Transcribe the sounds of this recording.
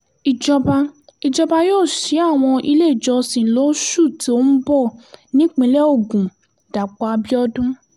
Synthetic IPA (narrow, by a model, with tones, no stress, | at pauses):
i˨d͡ʒɔ˧ba˧i˨d͡ʒɔ˧ba˧joː˦˨ʃi˨˦a˦˨w̃ɔ̃˧ʔi˧le˦˨d͡ʒɔ˧sĩ˨lo˨˦ʃu˦˨ti˨˦o˦n̩˦bɔ˦˨nĩ˦k͡pĩ˧˦lɛ˦o˦˨ɡũ˨ | da˨k͡pa˨˧bi˦ɔ˧dũ˦